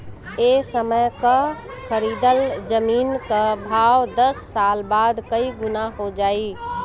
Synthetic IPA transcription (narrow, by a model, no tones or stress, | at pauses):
esəməjkə | kʰəɾid̪əld͡ʒəmiːnkəbʱawd̪əsːalbad̪kəiɡʊnaɦod͡ʒai